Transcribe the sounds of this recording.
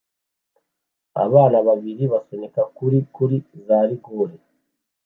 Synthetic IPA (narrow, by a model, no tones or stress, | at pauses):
a̰βaːnaβaβiɾiβasonekakuɾikuɾizaːɾiɡoɾe